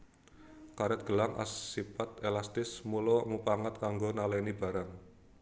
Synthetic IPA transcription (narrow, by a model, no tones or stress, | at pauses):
kaɾɛt̪̚ɡ̥ə̤laŋʔa̰sipat̪elast̪ɪsmulɔmupaŋat̪̚kaŋɡonalanib̥a̤ɾaŋ